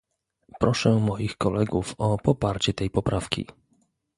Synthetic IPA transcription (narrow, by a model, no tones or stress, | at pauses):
pɾɔʂɛmɔjixkɔlɛɡufɔpɔpaɾt͡ɕɛt̪ɛjpɔpɾafkʲḭ